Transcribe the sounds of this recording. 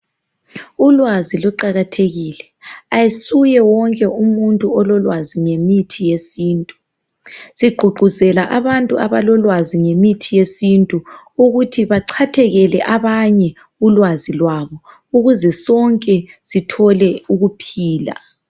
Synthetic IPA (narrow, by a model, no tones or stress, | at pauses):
ulwazilɔǃaɣatʰeɣiːlɛ | ajisujɛwɔŋkʼɛʔumuntʼuɔlɔlwaziŋemitʰijesiːntʼu | siɡ͡ǃʱuɡ͡ǃʱuzɛlaʔaβantʼuaβalɔlwaziŋemitʰijesintʼu | uɣutʰiβaǀʰatʰɛɣɛlɛʔaβaɲɛ | ulwazilwaːβɔ | uɣuzɛsɔŋkʼɛsitʰɔlɛuɣupʰiːla̰